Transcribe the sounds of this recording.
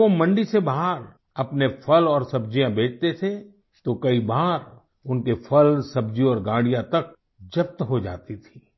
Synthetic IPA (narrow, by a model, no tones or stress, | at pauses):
omɐ̃ɳɖisebaɦɾ | ɐpnepʰɐlɔːɾsɐbd͡ʒijãbʱeːt͡ʃt̪et̪ʰe | t̪okɐibaːɾ | ʊnkefʰɐlsɐbd͡ʒiɔːɾɡãːɽijãt̪ɐk̚ | d͡ʒɐp̚t̪ɦod͡ʒa̰ːt̪it̪ʰi̥ː